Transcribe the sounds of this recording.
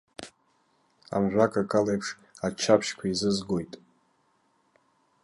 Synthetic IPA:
a̰mʒᶣʷakʼakʼalejpʰʂ | at͡ʃʰapʰʃkʷʰaizɨzɡo̞jtʼ

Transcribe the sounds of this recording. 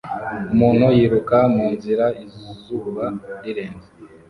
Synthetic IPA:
umuːn̥hojiɾukamuːnziɾaizzuːβaɾiɾeːnze

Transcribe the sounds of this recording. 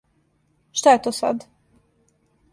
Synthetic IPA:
ʃt̪ajet̪oːsa̰d̪

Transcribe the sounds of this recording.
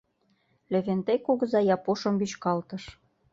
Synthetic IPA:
lĕβent̪ekuɣɤ̆zɑjɑpoʃɤ̆mbyt͡ɕkɑlt̪ɤ̆ʃ

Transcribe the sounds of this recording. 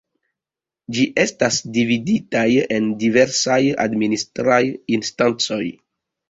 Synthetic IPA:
d͡ʒiʔe̞stasdividitaje̞ndive̞ɾsaja̰dministɾajinstant͡so̞j

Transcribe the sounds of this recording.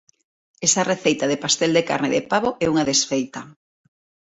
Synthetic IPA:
esɐreθejt̪ɐðɪpast̪ɛld̪eka̰ɾnɪðḛpaβoʔɛuŋaðesfejt̪ɐ

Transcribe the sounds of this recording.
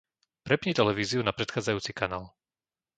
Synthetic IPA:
pɾɛpɲit̪ɛlɛʋiːziunapɾɛt̪xaːd͡zajuːt͡sikanaːl

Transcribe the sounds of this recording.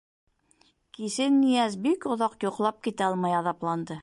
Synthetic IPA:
kisɘnːijæzbikŏðɑqjuqlˠɑp̚kit̪æɑlˠmɑjɑðɑplˠɑnd̪ɤ

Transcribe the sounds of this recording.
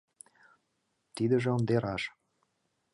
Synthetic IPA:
t̪id̪ə̆ʒĕŏnd̪eɾɑʃ

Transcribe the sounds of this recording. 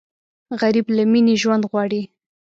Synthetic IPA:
ɣaɾiblaminiʒwand̪ɣwɑɽi

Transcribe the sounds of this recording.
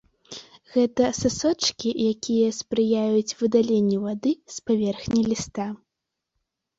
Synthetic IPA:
ɣɛt̪ɐsasɔt͡ʂkʲijakʲʰijɐspɾɨjajut͡sʲvɨd̪alʲenʲːɛvad̪ɨspavʲɛrxnʲɐlʲist̪a

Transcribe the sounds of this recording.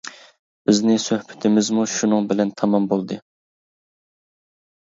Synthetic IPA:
b̥ɪznɪsøhbʰɪ̥t̪ʰɪmɪzmuʃunɨŋbɪlɛnt̪ʰɑmɑmbolˠd̪ɨ

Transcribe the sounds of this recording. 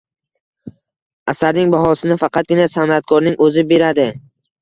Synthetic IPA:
asaɾnɪŋbahɒsɪnɪfɑqʰɑt̪̚ɡʲɪnasanat̪̚kʰɒɾnɪŋɵzɪbe̞ɾad̪ɪ

